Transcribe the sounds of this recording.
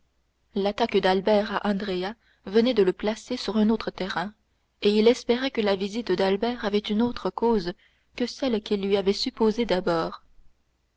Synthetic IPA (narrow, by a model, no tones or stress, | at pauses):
lat̪akd̪albɛʁaʔɑ̃d̪ʁea | vənɛd̪ələplasesyʁɛ̃not̪χət̪ɛʁɛ̃ | eilɛspeʁɛkəlavizit̪d̪albɛːʁavɛt̪ynot̪χəkoːz | kəsɛlkʲilːɥiavɛsypozed̪abɔːʁ